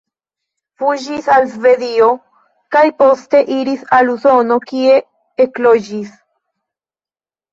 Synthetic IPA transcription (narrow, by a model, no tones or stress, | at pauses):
fud͡ʒisalzve̞ðio | kajpo̞ste̞ʔiɾisaluso̞no̞kie̞ː | klod͡ʒis